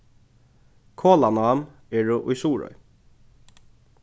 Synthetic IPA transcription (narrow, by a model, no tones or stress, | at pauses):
kʰoːlanam | ɛɻʊʔʊjsuːɹɔ̰j